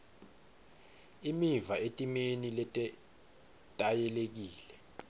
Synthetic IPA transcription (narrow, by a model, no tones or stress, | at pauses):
imivaetʼimenilɛtʼɛ | tʼajɛlek̬iːlɛ